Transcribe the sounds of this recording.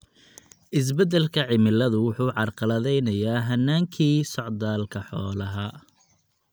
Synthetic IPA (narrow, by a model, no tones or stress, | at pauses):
ʔɪs̬bɛd̪ɛlkʰɐʕɪmɪlɐðʊwʊħuːʕɑrqɑlɐðɛjnɐjaːɦɐnːaːŋkʰiːsɔʕd̪aːlkʰɐħɔːlɐɦɐ